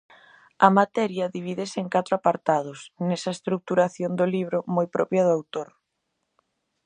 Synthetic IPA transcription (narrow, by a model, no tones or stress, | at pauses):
ɐmat̪ɛɾjɐðiβ̞iðɪsɪeŋkat̪ɾoapaɾt̪að̞ʊsnɛsɐest̪ɾuk̚t̪uɾaθjond̪ʊliβ̞ɾʊmojpɾɔpjɐðʊawt̪oɾ